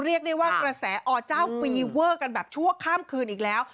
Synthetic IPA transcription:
ɾi˥˩ək̚da˥˩jwaː˥˩kɾa˧sɛː˩˦ʔɔː˨˩t͡ɕaː˥˩wfiː˧wɤː˥˩ka˧nbɛː˨˩p̚t͡ɕʰu˥˩əkʰaː˥˩mkʰɯː˧nʔiː˨˩k̚lɛː˦˥w

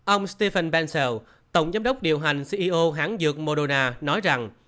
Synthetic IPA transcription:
ʔə˧wŋ͡mst̪e˧fə˧nɓɛ˧nsɛ˧˩w | t̪ə˨˧˩wŋ͡mzaː˨˦mɗə˦˥wk͡p̚ɗḭ˧˨əwɦa˨˩jŋ̟si˧ʔi˧ʔo˧ɦaː˨˦ŋzɨ˨˩ək̚mo˧ɗo˧naː˧nɔ˨˦jza˨˩ŋ

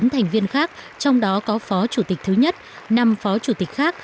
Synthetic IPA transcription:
nt̪ʰa˨˩jŋ̟vi˧ənxaː˦˥k̚ | t͡ɕɔ˧wŋ͡mɗɔ˨˦kɔ˨˦fɔ˨˦t͡ɕu˧˩t̪i̟˨˩t̪ʰɨ˨˦ɲə˦˥t̚ | na˨mfɔ˨˦t͡ɕu˧˩t̪i˨˩k̟̚xaː˦˥k̚

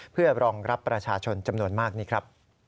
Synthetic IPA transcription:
pʰɯ˥˩ɐɾɔː˧ŋɾa˦˥pːɾa˧t͡ɕʰaː˧t͡ɕʰo˧nt͡ɕa˧mnu˧ənmaː˥˩k̚niː˦˥kʰɾa˦˥p̚

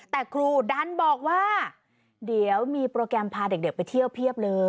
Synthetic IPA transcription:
t̪ɛː˨˩kʰɾuː˧da˧˥nbɔː˨˩k̚waː˥˩ | di˩˦əwmiː˧pɾoː˧kɾɛ˧mpʰaː˧de˨˩k̚de˨˩pa˧jt̪ʰi˥˩əwpʰi˥˩əp̚lɤː˧

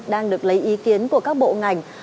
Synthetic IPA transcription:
ɗaː˧ŋɗɨ˨˩ək̚lə˨˦jʔi˨˦ki˨˦ənku˧˩əkaː˦˥k̚ɓo̰˧˨ŋa˨˩jŋ̟

